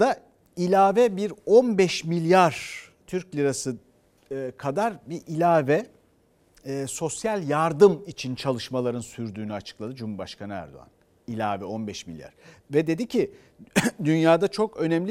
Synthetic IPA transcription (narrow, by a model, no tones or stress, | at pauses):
d̪a | ilʲaːvɛbiɾo̞nbɛʃmilʲjaɾ̥ | t̪ʰyɾclʲiɾasɯː | kʰad̪aɾbiʔilʲaːvɛ | so̞sjalʲjaɾd̪ɯmit͡ʃʰint͡ʃʰalˠɯʃmalˠaɾɯnsyɾd̪yːnyat͡ʃʰɯ̥klˠad̪ɯd͡ʒumuɾbaʃkʰanɯæ̰ɾd̪o̰a̰n | ilʲa̰ːvɛo̞nbɛʃmḭlʲja̰ɾ̥vɛd̪e̞d̪icʰi | d̪ynjaːd̪at͡ʃʰo̞kø̞nɛmlʲi